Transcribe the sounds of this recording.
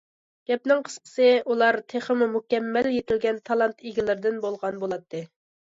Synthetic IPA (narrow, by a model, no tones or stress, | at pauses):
ɡ̥ʲɛp̚nɪŋqʰə̥sqʰə̥sɨulˠɑɾt̪ʰeχəmumukʲɛmːɛljet̪ɪlɡʲɛnt̪ʰɑlˠɑnt̪iɡʲilɪɾd̪ɪnbolˠʁɑnbolˠɑt̪ʰːɨ